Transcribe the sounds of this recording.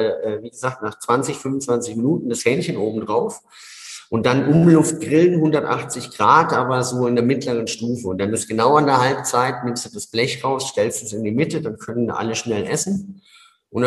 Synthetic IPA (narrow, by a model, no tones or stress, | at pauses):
ʔɛːviːɡəzaːk̚tnaːχt͡sv̥ant͡sɪçfʏmvʊn̩t͡sv̥ant͡sɪçminuːtn̩d̥ashɛnçənʔoːbm̩dʁaʊf | ʔʊnt̚d̥anʔʊmlʊft̚ɡ̥ʁɪlənhʊndɐtʔa̰χt͡sɪçɡ̥ʁaːtʔaːbɐzoːɪndeɐmɪtʰləʁ̞ənʃtuːfəʊntd̥anɪstɡ̥ənaʊandeːɐhalp̚t͡saɪtnɪmsd̥ud̥asb̥lɛçʁaʊsʃtɛlstɛsɪndiːmɪtədankʰœnənʔa̰ləʃnɛlʔɛsn̩ | ʔʊn